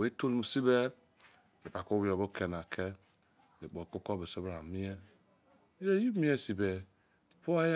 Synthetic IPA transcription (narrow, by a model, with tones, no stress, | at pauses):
we˨˦to˦lmu˨si˦be˦ | e˨pa˨ko˦wi˨o˨bo˦kʰe˨na˨kʰe˦ | e˨k͡po˨ko˦ko˦be˨so˦bɾa˨mi˦e˦ | e˦ji˦mi˦e˦si˨be˨ | po˦a˦j